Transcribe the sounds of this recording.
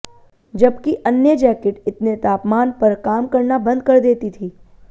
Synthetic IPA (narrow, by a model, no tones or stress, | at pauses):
d͡ʒɐbkiʔɐnjəd͡ʒɛːkɪʈɪt̪net̪aːpmaːnpɐɾkaːmkɐɾnabɐ̃nd̪̚kɐɾd̪eːt̪it̪ʰiː